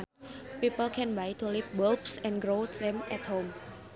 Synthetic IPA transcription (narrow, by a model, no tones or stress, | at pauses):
npipəlkʰɛ̃nbajt̪ulifwɔlbsɛ̃nɡɾotðɛ̃mɛt̚hõm